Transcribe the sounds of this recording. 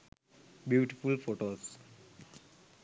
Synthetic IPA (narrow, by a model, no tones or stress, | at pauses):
bjuːʈifulfoːʈoːs